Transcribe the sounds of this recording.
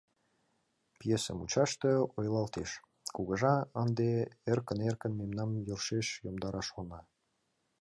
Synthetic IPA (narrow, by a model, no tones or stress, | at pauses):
pjesə̰mut͡ɕɑʃt̪eojlɑlt̪eʃ | kuɣə̆ʒɑɑnd̪eerkənerkə̆nmemnɑmjorʃeʃjomd̪ɑɾɑʃonɑ